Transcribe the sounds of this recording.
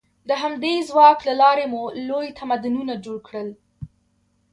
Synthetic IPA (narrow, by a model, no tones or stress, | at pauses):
d̪əɦamd̪ezwɑklalɑɾemulojt̪ʰamad̪ʊnunad͡ʒoɽkɽəl